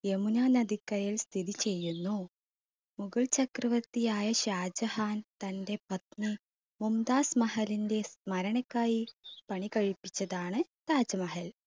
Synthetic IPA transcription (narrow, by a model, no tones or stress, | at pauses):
jemunaːnɐd̪ikːɐɾɐjilst̪ʰid̪it͡ɕe̞jːunːu | muɡɐɭt͡ɕɐkɾɐʋɐt̪ːijaːjɐɕaːd͡ʑɐhaːnt̪ɐnde̞pɐt̪ni | mumd̪aːsmɐɦɐlinde̞smɐɾɐɳɐkːaːjipɐɳikɐɻipːi̥t͡ɕːɐðaːɳɨt̪aːd͡ʑɐmɐɦɐl